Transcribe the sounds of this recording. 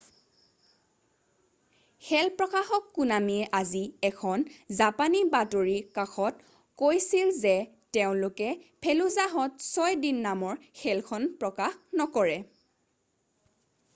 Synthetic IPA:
xɛlpɹɔkaxɔkːunamiɛʔaziɛkʰɔnzapanibatoɹikaxʰɔt̚ | kojsilzɛ | tɛʊ̃lʊkɛpʰeluzaɦɔtsɔjdinːamɔɹxʰɛlkʰɔnpɹɔkaxnɔkɔɹɛ

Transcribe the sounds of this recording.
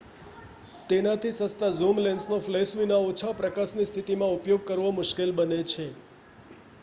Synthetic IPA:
t̪enat̪ʰisəst̪azumlensnoflesʋinaot͡ʃʰapɾəkasnist̪ʰit̪imãupjoɡ̚kəɾʋomʊʃkelbənet͡ʃʰe

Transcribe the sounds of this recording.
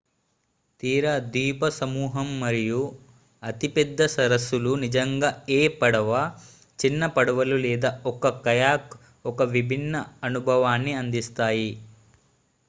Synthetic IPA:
t̪iːɾɐd̪iːpɐsɐmuːɦɐmːɐɾiju | ɐt̪ipɛd̪ʱːɐsɐɾɐsːulunid͡ʒɐŋɡaːeːpɐɽɐʋa | t͡ʃinːɐpɐɽɐʋɐlulɛːd̪aɔkɐkɐjaːk | ɔkɐʋibʱinːɐɐnubʱɐʋaːnːiɐnd̪ist̪aːji

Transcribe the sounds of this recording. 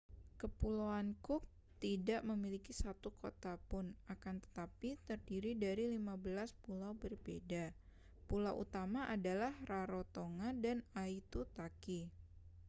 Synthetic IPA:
kəpulawankʊk̚ | t̪idaʔməmilikisat̪ukot̪apʊnakant̪ə̥t̪apit̪ərdiɾidaɾilimabəlaspulawbərbḛda | pulawʔṵt̪amaʔadalahraɾot̪oŋadanait̪ut̪aki

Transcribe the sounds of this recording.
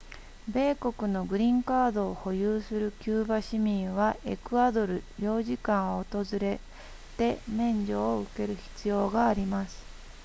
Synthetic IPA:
be̞ːko̞kɯ̟no̞ɡɯ̟ɾʲĩŋkaːd̪o̞ːho̞jɯːsɨɾɯ̟kʲɨːbaɕimʲĩɰ̃βaʔe̞kɯ̟ad̪o̞ɾɯ̟jo̞ːʑikãɰ̃oːt̪o̞zɨɾe̞ | t̪e̞mẽ̞ɲ̟d͡ʑoːɯke̞ɾɯ̟çi̥t͡sɨjo̞ːɡaːɾʲimasɨ̥

